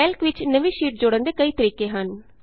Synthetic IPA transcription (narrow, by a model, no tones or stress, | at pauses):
ɛːlkʋɪt͡ʃnəʋĩːʃiːʈ̚d͡ʒoːɽə̃nd̪eːkəiːt̪əɾiːkeːɦən